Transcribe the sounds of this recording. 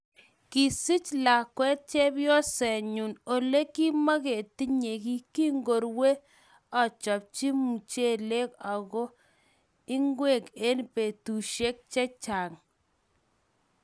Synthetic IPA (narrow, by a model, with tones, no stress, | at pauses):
ki˨si˦t͡ʃla˨kwɛ˦t̚t͡ʃɛ˦bjɔ˦sɛ˨ɲu˨no˨le˦ki˦ma˦ɣe˨ti˦ɲe˨ki˦ki˦ŋɡo˨ɾwe˦ | ɔ˨t͡ʃɔ˨p̚t͡ʃi˦mu˨t͡ʃe˦˨le˦ka˨ɣɔ˦ | i˦ŋɡwe˦˨ke˦npe˨tu˨ʃe˦k̚t͡ʃɛ˦t͡ʃa˨ŋ